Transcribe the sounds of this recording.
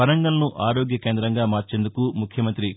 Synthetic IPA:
pɐɾɐŋɡɐlɐnuʔaːɾoːɡjɐkeːnd̪ɾɐŋɡaːmaːɾt͡ʃe̞ːnd̪ukumukʰjɐmɐnt̪ɾi

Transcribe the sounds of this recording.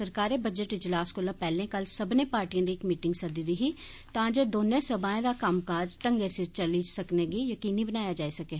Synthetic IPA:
səɾkaːɾebəd͡ʒəʈɪd͡ʒlaːskoːlapɛːlẽkɐlsəbnepaːɾʈiãd̪iekmiːʈɪ̃ŋɡsɐd̪id̪iɦi | t̪ãːd͡ʒed̪oːnẽsəbaːẽd̪akaːmkaːd͡ʒʈəŋɡesɪɾt͡ʃəliːd͡ʒsəkneɡijəkiːnibənaːjad͡ʒaːisɐkeː

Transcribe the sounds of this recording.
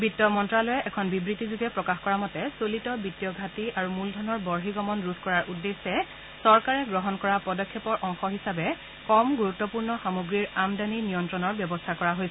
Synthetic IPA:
bitːɔmɔntɹalɔjɛʔɛkʰɔnbibɹitizuɡɛpɹɔkaxkɔɹamɔtɛsolitɔbitːijɔɡʱatiaɹumuldʱɔnɔɹbɔɹɦiɡɔmɔnɹuskɔɹaɹʔudːesːɛ | sɔɹkaɹɛɡɹɔɦɔnkɔɹapɔdɔkʰːɔpɔɹʔɔŋxɔɦisabɛ | kɔmɡuɹutːɔpuɹnɔxamuɡɹiɹamdaninijɔntɹɔnɔɹbjɔbɔstʰakɔɹaɦojsɛɛ

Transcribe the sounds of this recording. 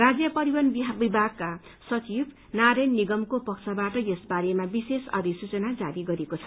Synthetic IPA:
rad͡zjʌpʌɾiwʌnbbibʱaɡ̚ka | sʌt͡sib | naɾʌnːiɡʌmkopʌkt͡sʰʌbaʈʌjesbaɾemabisesʌ̰d̪isut͡sʌnad͡zaɾiɡʌɾiekot͡sʰʌ̥

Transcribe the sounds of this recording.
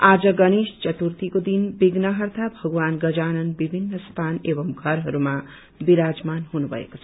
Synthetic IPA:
ad͡zʌɡʌnest͡ʃʌt̪uɾt̪ikod̪inbiɡnʌɦʌrt̪ʰabʱʌɡwanɡʌd͡zanʌnbibʱinːʌst̪ʰanebʌmɡʱʌɾɦʌɾuma | biɾad͡zmanɦunubʱʌ̰ḛkot͡sʰʌ̥

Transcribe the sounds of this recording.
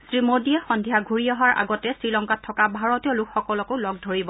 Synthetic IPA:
sɹimodiɛxɔndʱijaɡʱuɹiɔɦaɹʔa̰ɡɔtɛsɹilɔŋkatʰːɔkabʱaɹɔtiɔlukxɔkɔlɔkolɔɡ̚dʱoɹibɔ

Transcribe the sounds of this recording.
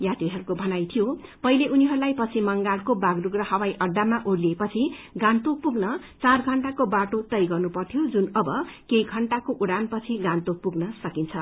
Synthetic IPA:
jat̪iɦʌɾukobʱʌnajt̪ʰijopʌileʔuniɦʌɾulajpʌt͡sʰimʌŋɡalkobaɡruɡrʌhʌwajʔʌɖːamaʔoɽliepʌt͡sʰiɡãnt̪opuɡnʌ | t͡sarɡʱʌɳʈakobaʈot̪ʌjɡʌrnupʌrt̪ʰjod͡zunʌbʌkejɡʱʌɳʈakoʔuɽanpʌt͡sʰiɡãnt̪opuɡnʌsʌkint͡sʰʌ

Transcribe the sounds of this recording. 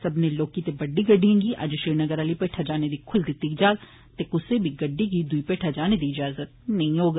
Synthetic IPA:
sɐbneloːkit̪ebɐɖːiɡəɖːijãːɡiʔɐ̰d͡ʒʃiːɾnəɡəɾaːlipeːʈʰad͡ʒaːned̪ikʰʊld̪ɪt̪ːikid͡ʒaːl | t̪ekʊsebʱiɡɐɖːiɡid̪uipeːʈʰad͡ʒaːned̪iɪd͡ʒaːzət̪nɐɦĩɦoːɡ

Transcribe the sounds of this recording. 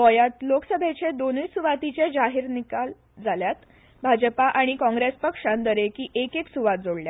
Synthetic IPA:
ʋɔjat̪loksəbʱet͡ɕed̪oniːsuʋat̪it͡ɕed͡zaɦiɾnikal | d͡zaljat̪ | bʱad͡ʑəpaʔaɽ̃ikɔ̃ŋɡɾespəkʂãnd̪əɾekiːʔekeksuʋat̪̚d͡zoɽlja

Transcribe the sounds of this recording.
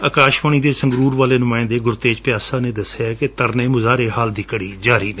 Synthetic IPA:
əːkaːʃʋaːɳ̃iːd̪eːsəŋɡɾuːɾʋaːleːnʊmãːɪ̃nd̪eːɡʊɾt̪eːd͡ʒpɪjaːsaːneːd̪əseaːkɪt̪əɾneːmʊzaːɾeːɦaːld̪iːkəɽiːd͡ʒaːɾiːneː

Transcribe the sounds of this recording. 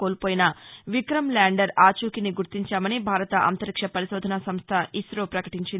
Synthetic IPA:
oːlpoːjinɐʋikɾɐmlaːɳɖɐɾaːt͡ʃuːkiniɡuɾt̪iɲt͡ʃaːmɐnibʱaːɾɐt̪ɐʔɐ̰nt̪ɐɾikʂɐpɐɾiʃɔːd̪ʱɐnasɐmst̪ʰɐisɾoːpɾɐkɐʈiɲt͡ʃin

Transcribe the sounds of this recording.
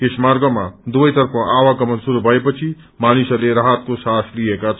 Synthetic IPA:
kesmarɡʌmad̪ubʌjt̪ʌɾpʰʌʔawaɡʌmʌnsuɾubʱʌepʌt͡sʰi | manisʌleɾaɦat̪̚kosasliekat͡sʰ

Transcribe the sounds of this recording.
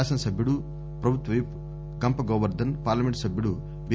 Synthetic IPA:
aːsɐnsɐbʱjuɽu | pɾɐbʱut̪ʋɐjp | ɡɐmpɐɡoːʋɐɾd̪ɐnpaːɾlɐmeɳʈsɐbʱjuɽu | be

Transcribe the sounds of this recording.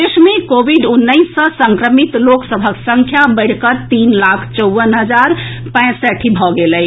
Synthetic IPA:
esmekobʱiɖunːəɪsːə̃səŋkɾəmit̪loksəbʱəksəŋkʰjabəɪɽ̤kət̪inlakʰt͡ʃəʊʋənɦəd͡ʒaɾpə̃sɛʈʰibʱɔɡelə

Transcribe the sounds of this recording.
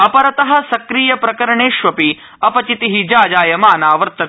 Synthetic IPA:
ɐpɐɾɐt̪ɐɦɐ̆sɐkɾiːjɐpɾɐkɐɾɐɳeːʃʋɐpi | ɐpɐt͡ʃit̪iɦid͡ʒaːd͡ʒaːjɐmaːnaːʋɐɾt̪ɐ

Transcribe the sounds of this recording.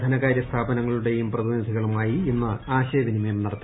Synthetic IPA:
d̪ʱɐnɐɣaːɾjɐst̪ʰaːbɐnɐŋːɐɭuɽe̞jumprɐd̪wnɐsiɣɐɭumaːjienːɨaːɕɐːʋinimɐjmnɐɽɐt̪ːi

